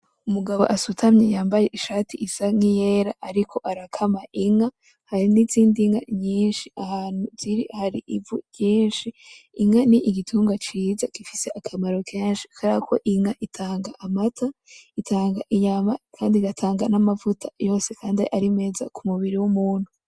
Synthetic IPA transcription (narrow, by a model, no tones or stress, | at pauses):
umuɡaβo̞̰ʔasutʰamɲejaːmbaje̞ʔiʃaːtʰiisaŋije̞ɾaʔaɾikʰo̞ʔaɾakʰamaʔiŋa | haɾiniziːndiŋaɲiːnʃiahaːn̥huziɾihaɾiʔivṵjiːnʃiːŋaniʔiɡitʰuːŋɡat͡ʃiːzakifise̞ʔakʰamaɾo̞kʰeːnʃi̥kʰaɾakʰo̞̰ʔiŋaʔitʰaːŋɡaʔamatʰaitʰaːŋɡaʔiɲamakʰaːndiɡatʰaːŋɡanamavutʰḁjo̞ːse̞kʰaːndiʔaɾime̞ːza̰kʰumuβiɾiwumuːn̥hu